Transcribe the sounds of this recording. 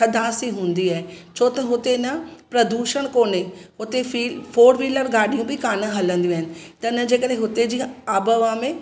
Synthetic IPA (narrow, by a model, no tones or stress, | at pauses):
ɐd̪ʱaːsiɦũːn̆d̪iaːɦet͡ɕʰoːt̪ɐɦʊt̪enɐpɾɐd̪uːʃəɽ̃koːneɦʊt̪efiːfoːɾʋiːləɾɡaːɗijũbɪkaːnəɦɐlə̃nd̪iũaːɦɪnɪ̆t̪ɐɪnə̆d͡ʑeːkəɗɦẽɦʊt̪ed͡ʑiːaːbəʋãmẽ